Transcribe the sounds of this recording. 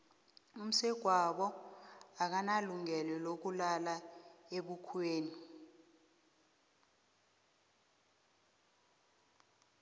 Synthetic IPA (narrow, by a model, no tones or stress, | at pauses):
um̩sɛɡ̥ʱwaɓɔ | ak̬analuŋɛlɛlok̬ulalaeɓukʰweːni